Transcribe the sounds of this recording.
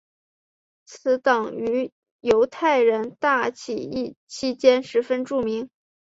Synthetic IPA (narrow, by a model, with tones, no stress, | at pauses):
t͡sʰɹ̩˧˥t̪ɑ˨˩ŋy˧˥ | jo˧˥ʊt̪ʰa˥˩ɪɻə˧˥nt̪a˥˩t͡ɕʰi˨˩i˥˩t͡ɕʰi˥t͡ɕjɛ˥nʂɻ̩˧˥fə˥nʈ͡ʂu˥˩mi˧˥ŋ